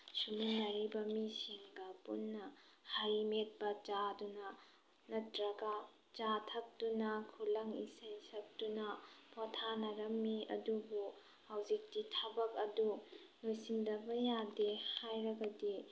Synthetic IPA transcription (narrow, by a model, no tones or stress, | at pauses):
sumunɐɾibɐmisiŋɡɐpunːɐhajmet̚bɐt͡ʃadunɐ | nɐtɾɐɡa | t͡ʃatʰɐk̚dunɐkʰulɐŋḭsɐjsɐk̚tunɐpʰotʰanɐɾɐmːiɐ̰dubu | hawzik̚ditʰabɐk̚ɐdu | lojsiŋdɐbɐjadehajɾɐɡɐdi